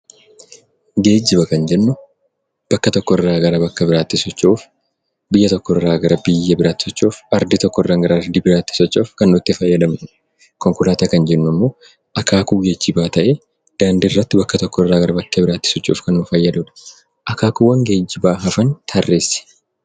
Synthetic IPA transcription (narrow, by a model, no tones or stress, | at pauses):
ɡe̞ːd͡ʒːɪbɐkɐnd͡ʒɛnːʊ | b̥ɐkːɐt̪ɔkːɔɪrːaːɡɐɾɐbɐkːɐbɪɾaːt̪ːɪsɔt͡ʃːoːf | bɪjːɐt̪ɔkːɔɪrːaːɡɐɾɐbɪjːɐbɪɾaːt̪ːɪ̥sɔt͡ʃːoːfɐɾd̪ɪt̪ɔkːɔɪrːaŋɡɐɾɐɐɾd̪ibɪɾaːt̪ːɪ̥sɔt͡ʃːoːfkɐnːʊt̪ːɪfɐjːɐd̪ɐmnʊ | kɔŋkʊlaːt̪ɐkɐnd͡ʒɛnːʊmːo̞ː | ʔɐkaːkuːɡe̞ːd͡ʒːɪbaːt̪ɐʔe | d̪̥aːnd̪ɪɪrːɐt̪ːɪbɐkːɐt̪ɔkːɔɪrːaːɡɐɾɐbɐkːɐbɪɾaːt̪ːɪ̥sɔt͡ʃːṵːfkɐnːʊfɐjːɐd̪ʊd̪ɐ̥ | ʔɐkaːkuːwɐŋɡe̞ːd͡ʒːɪbaːɦɐfɐnt̪ʰɐrːe̞ːsːɪ̥